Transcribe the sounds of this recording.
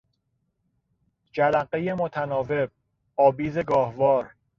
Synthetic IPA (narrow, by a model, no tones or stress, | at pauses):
d͡ʒælæɢejemot̪ʰænɒːve̞b̚ | ɒːbiːzeɡɒːhvɒːɾ